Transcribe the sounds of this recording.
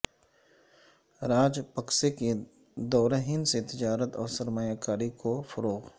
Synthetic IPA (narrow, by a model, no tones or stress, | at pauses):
ɾaːd͡ʒpɐkseke | d̪ɔːɾɦɪnset̪ɪd͡ʒaːɾət̪ɔːɾsɐɾmajakaːɾikofɐɾoːɣ